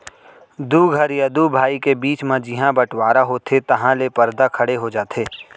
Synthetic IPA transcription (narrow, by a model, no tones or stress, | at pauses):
d̪uɡʱɐɾjɐd̪ubʱaːikebiːt͡ʃmẽd͡ʒɪɦãbɐʈwaːɾaɦot̪ʰet̪ɐɦãlepɐɾd̪akʰɐɽeɦod͡ʒaːt̪ʰeː